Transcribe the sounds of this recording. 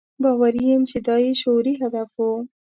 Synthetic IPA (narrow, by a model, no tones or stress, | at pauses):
bɑwaɾijemt͡ʃɪd̪ɑjiʃoɾiɦad̪afu